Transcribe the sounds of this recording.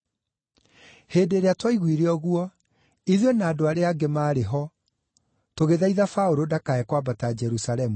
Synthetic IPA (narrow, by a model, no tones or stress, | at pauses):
heːdeɾeatwaiɣwiɾeɔɣwɔ | iðonaːdoaɾeaɡemaːɾeɦɔ | toɣeðaiðafaoɾodakaɛkwabatad͡ʒɛɾusalɛmu